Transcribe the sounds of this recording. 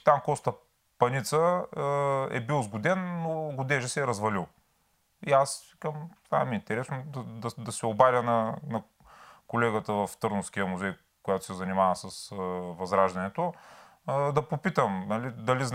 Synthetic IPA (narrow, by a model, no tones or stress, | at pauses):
t̪amkɔst̪ɐ | pɐnit̪sə | ɛ̰bilˠzɡʊd̪ɛnːoɡʊd̪ɛʒɛsɛːɾɐzvɐlilˠ | ias | kɐmt̪vamiint̪ɛɾɛsnod̪ɐd̪ɐd̪ɐsɛobaɾʲjənɐnɐ | kolɛɡət̪əvɐft̪ɤɾnʊfskʲijəmuzɛj | kʊjat̪ʊ̥sɛzɐnimavɐsɐsvɐzɾaʒd̪ɐnɛt̪o | d̪ɐpopit̪əmnɐlid̪ɐlizn